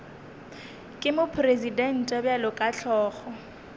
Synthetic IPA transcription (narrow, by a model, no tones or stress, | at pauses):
kʼɪmʊpʰrezidɛn̩tʼɛbjalʊkʼaɬʰɔːχɔ